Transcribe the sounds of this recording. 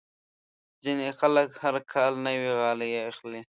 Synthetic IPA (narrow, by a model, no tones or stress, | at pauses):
zinexaləkhaɾkʰɑːlnəwiɣɑːlijeaxle